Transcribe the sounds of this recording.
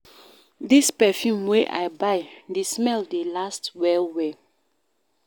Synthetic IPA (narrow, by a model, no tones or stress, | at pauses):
dispɛfjũmweʔa̰ɪbaɪdesmɛldelastwɛlwe